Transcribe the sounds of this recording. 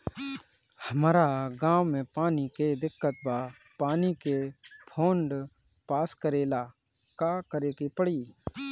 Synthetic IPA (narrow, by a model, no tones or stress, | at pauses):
həmɾaɡãːwmẽpaːniked̪ɪkːət̪̚ba | paːnikepʰoːɳɖpaːskəɾeːla | kakəɾeːkipəɽiː